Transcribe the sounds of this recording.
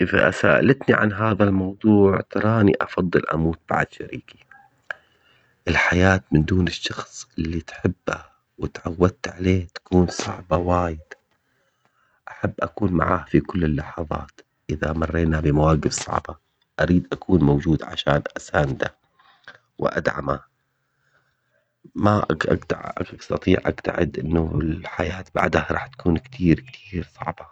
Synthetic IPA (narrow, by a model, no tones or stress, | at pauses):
ʔɪfa̰ʔa̰sa̰ːʔa̰lat̪niʕa̰nɦaːðalmɑwðˤuːʕt̪ɑɾˤɑːnḭʔɑfɑðˤːɨlʔa̰muːt̪̚b̥a̰ʕd̪ʃaɾiːki̥ | ʔɪlħajaːt̪mɪnd̪uːnɪʃːɑxsˤʔɪlːit̪ħɪbːa | wɪt̪ʕawːad̪̚t̪ʕaleːht̪ḁkuːnsˤɑʕbɑwaːjɪd̪̥ | ʔaħabːʔakuːnma̰ʕaːhfikʊlːɪlːɑħɑðˤɑ̰ːt̪ | ʔɪðamɑrˤːeːnabɪmawaːɡɪfsˤɑ̰ʕbɑ | ʔaɾiːd̪ʔakʰuːnmowd͡ʒuːd̪ʕa̰ʃaːnʔasaːnd̪a̰ | wɪ̰ʔa̰d̪ʕa̰ma | maʔaʔa̰ɡt̪a̰ʕʔst̪ɑt̪ˤiːʕʔa̰ɡt̪a̰ʕɪd̪ʔɪnːaɪlħajaːt̪ba̰ʕd̪aaɾˤɑ̰ːħt̪ḁkʰuːnkt̪ʰiːɾkt̪ʰiːɾsˤɑ̰ʕbɑ